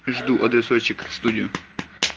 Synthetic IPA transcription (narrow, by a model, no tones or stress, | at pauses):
ʐd̪uʔɐd̪ɾʲɪsɔt͡ɕːɪkfst̪udʲɪjʊ